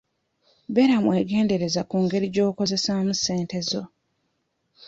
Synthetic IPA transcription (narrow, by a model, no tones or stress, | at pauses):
be̞ɾamwe̞ːɡe̞ːnde̞ɾe̞zakuːŋɡe̞ɾiɟo̞ːko̞ze̞samuse̞ːnte̞zo̞